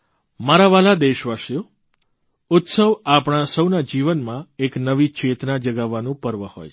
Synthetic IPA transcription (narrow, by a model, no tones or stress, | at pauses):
maɾaʋalad̪eʃʋaʃjo | ʊt̪səʋapɽ̃asəwnad͡ʒiʋənmãeknəʋit͡ʃʰet̪nad͡ʒəɡaʋːanũpəɾʋəho̰j